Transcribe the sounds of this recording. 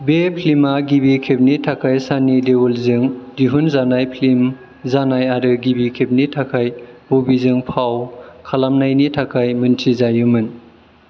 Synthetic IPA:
bepʰlimaɡibikʰep̚nitʰakʰajsanidewulzɯŋdiɦunzanajpʰlim | zanajaɾɯɡibikʰep̚nitʰakʰajbobizɯŋpʰawkʰalamnajnitʰakʰajmɯntʰizajɯmɯn

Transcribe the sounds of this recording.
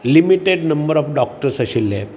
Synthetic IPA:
limiʈeɖnəmbəɾɔfɖɔk̚ʈəɾsəɕilːɛ̰̃

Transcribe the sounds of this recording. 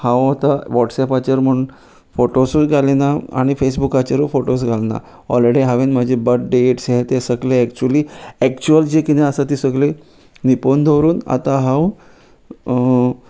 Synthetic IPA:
hãwat̪aʋɔʈsɛpat͡ɕaɾm̤əɳ | foʈosɡʱalenaa̰ɽ̃ifes̬bukat͡ɕəɾfoʈos̬ɡʱalna̰ | ɔ̰lɾeɽiɦaʋenməd͡ʑʱebət̚ɖeʈsɦet̪esəɡleɛkt͡ɕuəliːɛkt͡ɕuəld͡ʑekinẽəsat̪iːsəɡle | nipond̪ʱoɾuːna̰t̪aɦãw

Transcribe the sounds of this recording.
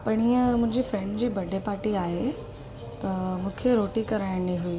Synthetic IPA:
pɐɽ̃iːə̃mʊ̃ɦɪ̃ɲd͡ʑifɾɛ̃ɳɖd͡ʑiːbɐɖʱepaːɾʈiaːɦe | t̪ɐmũːkʰeɾoːʈikɐɾaːɪɽ̃iɦuiː

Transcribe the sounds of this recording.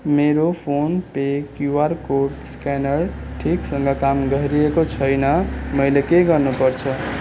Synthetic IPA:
meɾopʰonpekjuaɾkoɖskanʌɾʈʰiksʌŋɡʌkamɡʱʌɦɾiekot͡sʰʌjnʌmʌjlekeɡʌɾnupʌɾt͡sʰʌ

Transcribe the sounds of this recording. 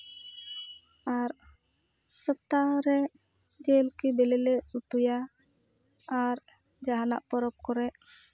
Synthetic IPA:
aɾ | səp̚t̪aɾɛ | d͡ʒɛlkibɛlɛlɛʔut̪uja | aɾ | d͡ʒaɦana̰ʔpɔɾɔp̚kɔɾɛʔ

